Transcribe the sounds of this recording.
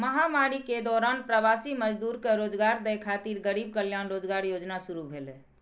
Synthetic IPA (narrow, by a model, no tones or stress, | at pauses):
məɦamaɾiked̪ɔɾanpɾəbasiməd͡ʒd̪uɾkeɾod͡ʒɡaɾd̪ɛjkʰat̪iɾɡəɾib̚kəljanɾod͡ʒɡaɾjod͡ʒnasuɾubʱelɛ